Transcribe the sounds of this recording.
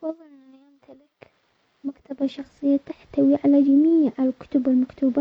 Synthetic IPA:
fɑðˤːɑlnaajamt̪ʰalɪk | makt̪abaʃɑxsˤɨjːat̪aħt̪awiʕalad͡ʒamiːʕalkʊ̥t̪ʊbɪlmakt̪uːba

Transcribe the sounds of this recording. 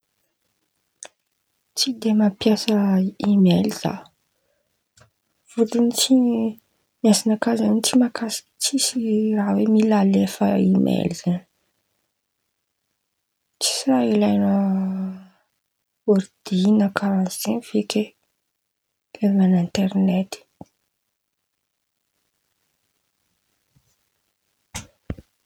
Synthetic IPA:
t͡sid̪emapjasəimeliz̥a̰ | v̥ut̪init͡si | miasanakazanit͡simakasi̥t͡sisirawemilalefəimʔḛliz̥ani | t͡si̥siɾailajnə | oɾd̪̥inəkʰaɾanzinfeke | elnanint̪eɾnet̪i̥

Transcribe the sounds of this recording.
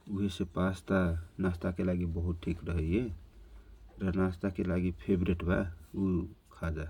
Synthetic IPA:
uɦesepast̪anast̪akelaɡibəɦut̪̚ʈʰikɾəɦəe | ɾənast̪akelaɡipʰebɾeʈba̰ukʰad͡ʒa

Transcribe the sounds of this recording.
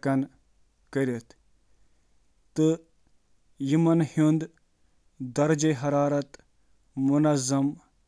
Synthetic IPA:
kɐn | kɐɾʲɐt̪ | t̪ɨ | jimɐnhund̪ | d̪ɐɾd͡ʒeɦɐɾaːɾɐt̪ | munɐzɐm

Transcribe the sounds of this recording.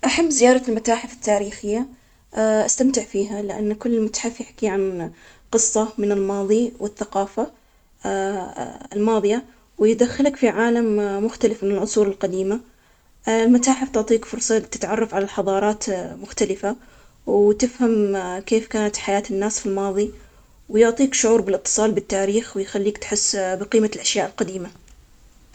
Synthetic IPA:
ʔaħamːzɪjɑːɾˤɑlmat̪aːħɪfɪ̥t̪ːaːɾiːxɪjːa | ʔast̪amt̪ɪʕfiːɦalɪʔa̰nːkʊlːɪlmat̪ḁħɪfjɪħkiʕan | qɨsˤːɑmɪnɪlmɑːðˤiwɪθːaqɑːfa | ɪlmɑːðˤɨja | wjɪd̪axːɪlakfiʕaːlamːʊxt̪alɪfmɪnɪlʕʊsˤuːɾɪlqad̪iːma | lmat̪aːħɪft̪ʊʕt̪ˤiːkfʊɾsˤɑt̪ɪ̥t̪ʕɑrˤːɑfʕalalħɑðˤɑːɾˤɑːt̪mʊxt̪alɪfa | wt̪ɪfhamkeːfkaːnat̪ħajaːt̪ɪnːaːsfilmɑːðˤi | wɪjʊʕt̪ˤiːkʃʊʕuːɾbɪlʔɨt̪ːɨ̥sˤɑːlbɪt̪ːaːɾiːxwɪjxalːiːkt̪ħɪsːbɪqiːmalʔaʃjaːʔɪlqad̪iːma

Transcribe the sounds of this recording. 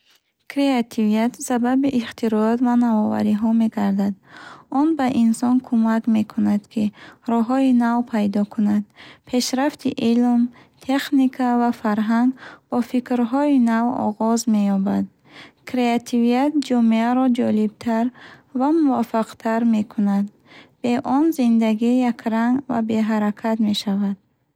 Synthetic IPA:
kɾeat̪ʰivijat̪sababiʔiχt̪iɾɔɔt̪vanavɔva̰ɾiɦɔme̞ɡaɾd̪ad̪ɔnbaʔinsɔnkʰumakme̞kʰunad̪kʰiɾɔɦɔinavpʰajd̪ɔkʰunad̪̚pʰe̞ʃɾaft̪ʰiʔilm | t̪ʰe̞χnikʰavafaɾɦaŋɡbɔfikɾɦɔinavɔ̰ʁɔzme̞jɔbad̪ | kʰɾe̞at̪ʰiviat̪̚d͡ʒɔmeaɾɔd͡ʒɔlibt̪ʰaɾvamuvafaqt̪ʰaɾme̞kʰunad̪ | b̥e̞ʔɔnzind̪aɡijakʰɾaŋɡva̰be̞ɦaɾakʰat̪me̞ʃavad̪̥̚

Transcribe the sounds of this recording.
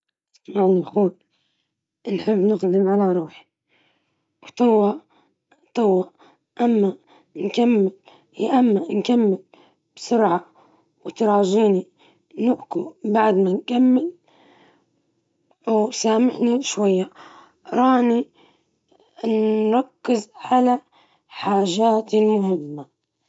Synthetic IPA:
smaʕnxuːl | ɪnħɪbːnɪɣd̪ɪmʕalaɾˤuːħi | wt̪ˤɨwːaʔ | t̪ˤɨwːaʔ | ʔamːa | nkamːɪl | iʔamːankamːɪl | b̥sʊɾʕa | wt̪ɾˤɑːʒiːni | nɪʔkubaʕd̪mankamːɪl | wsaːmɪħniʃwajːa | ɾˤɑːni | nɾˤɑkːɪzʕala | ħaːʒaːt̪ilmʊhɪmːa

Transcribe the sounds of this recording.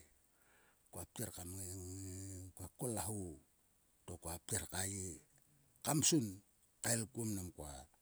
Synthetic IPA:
koap̚teɾkamŋe | kakolaɦu | tokoap̚teɾkaje | kamsun | kaelkumnamkwa

